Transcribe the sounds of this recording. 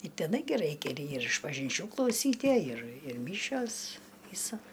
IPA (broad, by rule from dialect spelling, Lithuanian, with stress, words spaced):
ɪ tʲɛˈnɐɪ ɡʲɪ ˈrɐɪkʲɛ ɪr ɪʃpɐʒʲɪnʲˈt͡ʃʲuː klˠɐʊˈsʲiːtʲiɛ ɪr ɪr ˈmʲiːʃʲoːs ʋʲiːsɐ